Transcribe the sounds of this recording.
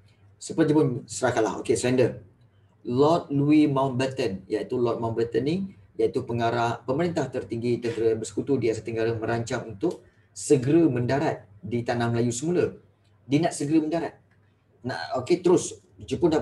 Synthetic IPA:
səpəd͡ʒupʊnsəɾakaʔla̰ɦo̰kesɾɛndə | lɔt̪̚luimawnbət̪ənjait̪ulɔt̪̚mawnbət̪ənːi | jait̪upəŋaɾahpəməɾint̪aht̪ərt̪iŋɡit̪ənt̪əɾəbərsə̥kut̪udiasat̪əŋɡaɾaməɾaɲt͡ʃaŋunt̪ʊk̚ | səɡəɾəmə̃ndaɾat̪̚dit̪anahməlajusəmulə | dinaʔsəɡəɾəməndaɾat̪̚ | na̰oket̪əɾʊs | d͡ʒupʊnda

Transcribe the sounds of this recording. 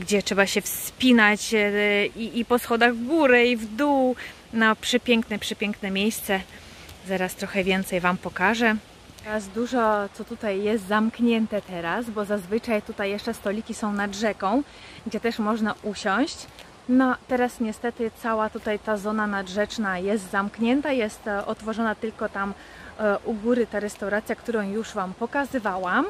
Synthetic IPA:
ɡd͡ʑɛtʂɛbaɕɛfspʲinat͡ɕ | iːpɔsxɔd̪aɣvɡuɾɛivd̪u | napʂɛpʲjɛŋknɛpʂɛpʲjɛŋknɛmʲjejst̪sɛ | zaɾast̪ɾɔxɛvʲjɛnt̪sɛjvampɔkaʐɛ | t̪ɛɾasd̪uʐɔt̪sɔt̪ut̪ajːɛs̬t̪zamkɲɛnt̪ɛt̪ɛɾasbɔzazvɘt͡ʂajt̪ut̪ajːɛʂt͡ʂɛst̪ɔlʲikʲisɔ̃w̃nadʐɛkɔ̃w̃ | ɡd͡ʑɛt̪ɛʂmɔʐnaʔuɕɔ̃w̃ɕt͡ɕ | nɔt̪ɛɾasɲɛst̪ɛt̪ɘt̪sawat̪ut̪ajt̪azɔnanadʐɛt͡ʂnajɛst̪zamkɲɛnt̪ajɛst̪ɔt̪fɔʐɔnat̪ɘlkɔt̪am | ʔuɡuɾɘt̪aɾɛst̪awɾat̪sʲjakt̪uɾɔ̃w̃juʂvampɔkazɘvawam

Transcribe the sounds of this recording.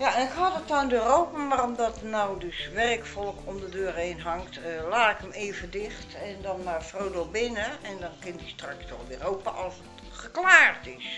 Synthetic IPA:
jaɛnɪkɦɔtətɔnndørowpəmaromdɔtnawdøsʋɛrkfɔlˠəkʰɔmdədøːreːnɦɑŋktlaːɪkəmeːvədɪxtɛndɔnmarfrowdobɪnəɛndɔnkɪndistrɑkstɔχdɪroːpəʔɔlˠsət | χəklaːrtɪs

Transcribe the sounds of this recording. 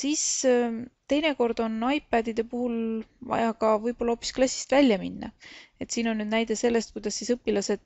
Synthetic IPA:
siːs | t̪e̞jne̞ko̞rd̪̥o̞nɑjpːˑæːd̪̥id̪̥e̞puhulvɑ̰jɑkɑvɤjb̥o̞lːɑoːpːˑisklɑsʲːi̥st̪vælʲːjɑminːɑ̰e̞t̪siːno̞nːyːd̪næjd̪̥e̞se̞lːe̞st̪̚kujd̪ɑsːisɤpːilɑse̞d̪̥̚

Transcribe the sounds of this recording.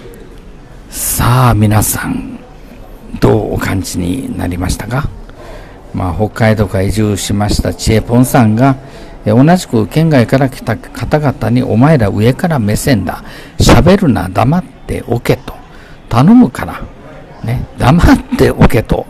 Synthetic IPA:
saːmʲinasãn | d̪̥o̞ːo̰kãɲ̟t͡ɕiɲ̟ḭna̰ɾʲimaɕi̥t̪aka | maːho̞kːait̪o̞kaiʑɨːɕimaɕi̥t̪at͡ɕiepõ̞ɰ̃sãŋɡa | eo̞naʑi̥kɯ̟kẽ̞ŋɡaikaɾakʲi̥t̪akʰat̪aɡat̪aɲ̟iʔo̞mae̞ɾaʔɯ̟e̞kaɾame̞sẽ̞nd̪a̰ | ɕabe̞ɾɯ̟na̰d̪amat̪ːe̞̰ʔo̞̰ke̞t̪o̞̥ | t̪ano̞mɯ̟kʰaɾa | ne̞d̪amat̪ːe̞ʔoke̞t̪o̞̰

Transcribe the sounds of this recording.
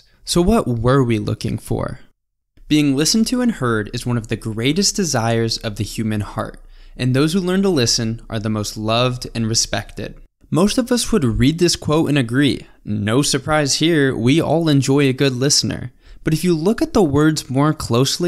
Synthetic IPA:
soʊwʌʔ̚wə˞wilʊ̰kɪ̰̃ŋfə̰˞ | b̥iɪ̃ŋlɪsn̩tʰɨɨ̃nhɜ˞ɾɨzwʌ̃nʌvðɨɡɹeɪɾɨsd̥ɨzaɪə˞zʌvðɨhjʉmɨ̃nhɑ̰ɹɾ̚ʔɨ̃nðoʊz̥hʉlɜ̃˞ntəlɪsɨ̃nʔə̰˞ðəmoʊstˡlʌvdɨ̃nɹɨspɛ̰k̚tɪ̰d̥̚ | moʊstʌvʌswəd̚ɹid̪̚ðɪskʰw̥oʊɾɨ̰̃nɨɡɹḭ | noʊsə˞pʰɹ̥aɪz̥hiɹwiɔ̰lˠɨ̃nd͡ʒɔɪɨɡʊdˡlɪsnə̰˞ | b̥ʌɾɨfjɨlʊkɨt̪̚ðəwɜ˞dzmɔɹkʰl̥oʊsli

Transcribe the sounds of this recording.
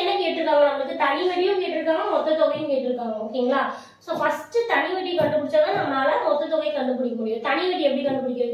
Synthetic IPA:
ɛnɐkːɯeʈ̪ːɯkːaːʋaːlaːɐɐɭɐkːɯt̪ɐɳɪʋɐɽɪjʊ̃mkeːʈːɪɾɯkːaːʋãːmɔt̪ːɐt̪ːɔɣɐɪjɯ̃mkeːʈːɪɾɯkːaːõkːɪŋɡɐɭaː | soːfɐsʈɯt̪ɐɳɪʋɐʈːikɐɳɖ̪ɯpːʊɽɪt͡ʃːaːɣãːnãːnɐlamɔt̪ːɐt̪ːɔɣɐɪkɐɳd̪ɯp̬ːʊɽɪkːɐkːʊɽɪjɐɾt̪ɐɳɪʋɐʈːiɛpːɐɽikɐɳd̪ɯp̬ːʊɽɪkːɐɾ

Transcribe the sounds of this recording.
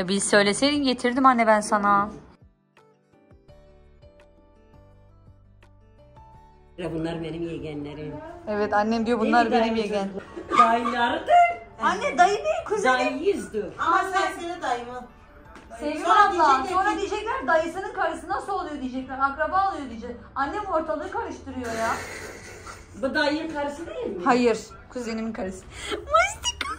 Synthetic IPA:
bizsø̞jlʲe̞sejninɟe̞t̪ʰiɾd̪imhanːɛbænsana | ɾabunlˠaɾɯbenimjeɟænlʲeɾinevɛt̪anːɛmd̪ijo̞bunlˠaɾbenimjeɡænd̪ajɯlˠaɾɯd̪eanːɛd̪ajɯejkʰuzalʲjizd̪aaaed̪ajman | sevɡʲimad̪lˠaso̞nɾad̪ijed͡ʒɛclʲæɾd̪ajɯsɯnɯnkʰaɾɯsɯnd̪asolˠujo̞d̪ijed͡ʒɛclʲæɾakɾabaːlˠɯjo̞d̪id͡ʒɛkanːɛmo̞ɾt̪ʰalˠɯɯkʰaɾɯʃt̪ʰɯɾɯjo̞ja | bud̪ajɯkʰaɾɯsɯd̪ejilʲmhajɯɾ̥ | kʰuzeniminkʰaɾɯsɯnmast̪i̥k

